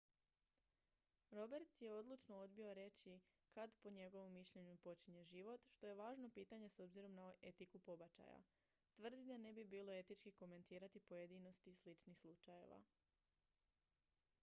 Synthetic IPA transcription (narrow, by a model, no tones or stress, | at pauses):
ɾo̞be̞ɾt̪sje̞o̞d̪lˠut͡ʃno̞o̞d̪bio̞ɾe̞t͡ɕi | kad̪po̞ɲe̞ɡo̞ʋo̞mːiʃʎe̞ɲupo̞t͡ɕiɲe̞ʒiʋo̞t̪ʃt̪o̞je̞ʋaːʒno̞piːt̪aɲe̞so̞bziɾo̞mnae̞t̪ikupo̞bat͡ʃa̰ja̰ | t̪ʋr̩d̪id̪ane̞bibiːlˠo̞e̞t̪it͡ʃkiko̞me̞nt̪iːɾat̪ipoje̞d̪ino̞st̪islit͡ʃnixslˠut͡ʃaje̞̰ʋa̰